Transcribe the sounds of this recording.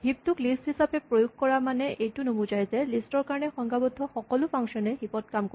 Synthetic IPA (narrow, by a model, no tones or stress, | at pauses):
ɦip̚tʊklisthisapɛpɹojuɡ̚kɔɹamanɛʔejtʊnubʊd͡ʒajzɛlistɔɹkaɹɔnɛxɔŋɡabɔd̪ʱːɔxɔkɔlʊpʰaŋsɔnɛɦipɔt̚kamko